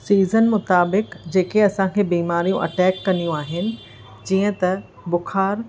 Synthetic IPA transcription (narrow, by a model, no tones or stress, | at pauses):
siːzənmʊt̪aːbɪkd͡ʑeːkeɐsãkʰeːbiːmaːɾijũʔɐ̰ʈɛːkːɐnijũaːɦɪnɪ̆ | d͡ʑĩːə̃t̪ɐ | bʊxaːɾ